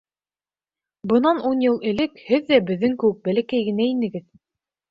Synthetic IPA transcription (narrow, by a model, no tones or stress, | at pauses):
bɤ̆nɑnunjɤlˠɘ̆lɘkhɘðːæbɘ̆ðːɘŋkɘ̆wɘk̚bælækæjɡɘ̆næinɘ̆ɡɘð